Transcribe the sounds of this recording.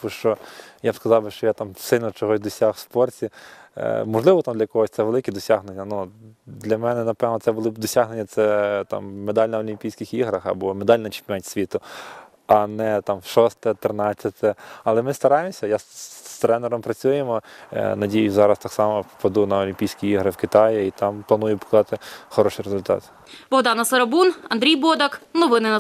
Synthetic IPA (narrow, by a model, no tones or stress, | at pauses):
uʃt͡ʃɔjabskɐzɑwbɪʃt͡ʃɔjat̪ɑmsɪlʲnɔt͡ʃɔɦɔzʲd̪ɔsʲaxw̥spɔrtʲi | mɔʒlˠɪʋɔt̪amd̪lʲɐkɔɦɔsʲt̪sɛʋelˠɪkʲɛd̪ɔsʲaɦnenʲːɐnud̪lʲɐmɛnɛnɐpɛʋnɔt̪sɛbʊlˠɪbd̪ɔsʲaɦnenʲːɐt̪sɛt̪ɑ̰mːed̪ɑlʲnɐɔlʲimʲpʲijsʲkʲɪxiɦɾɐxɐ̰bɔmed̪ɑlʲnɐt͡ʃɪ̥pʲmʲɛnʲsʲʋʲit̪ʊ | ɐnɛt̪ɑmwʃɔst̪ɛt̪ɾɪnɑt͡sʲːɐt̪ɛɐlˠɛmɪst̪ɐɾɑjɪmsʲɐjat̪ɾɛnɛɾɔmpɾɐt͡sʲujemɔ̰nɐdʲijʊzɑɾɐst̪ɑksɑmɔpɐd̪unɐɔlʲimpʲijsʲkʲiiɦɾɪwkɪt̪ɑjit̪ɑmplˠɐnujʊpɔ̥kˠd̪ɑt̪ɪxɔɾɔʃijɾezʊlʲt̪ɑ̰t̪ | bɔwd̪ɑnɐsɐɾɐbunɐnd̪ɾʲijbɔd̪ɐknɔʋɪnɪnɐ